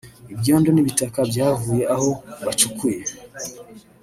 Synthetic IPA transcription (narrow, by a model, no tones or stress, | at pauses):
ibjɔndɔniβitakabjavujɛʔahɔβat͡ʃukʰujɛ